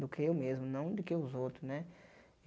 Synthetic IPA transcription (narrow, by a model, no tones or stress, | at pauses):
d̪ʊkʰɪewmezmʊnɐ̃w̃d̪ɪkeʊzowt̪ɾʊznɛ